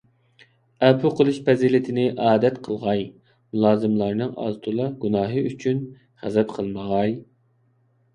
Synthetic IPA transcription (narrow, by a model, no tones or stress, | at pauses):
ɛpʰuqʰəlˠuʃpɛzilɪt̪ʰɪnɪʔɑːd̪ɛt̪qʰəlˠʁɑj | mulˠɑːzɨmlˠɑɾnɨŋɑ̰zt̪ʰulˠɑɡunɑːɦɨyt͡ʃʰyn | χæ̰zɛpqʰəlˠməʁɑj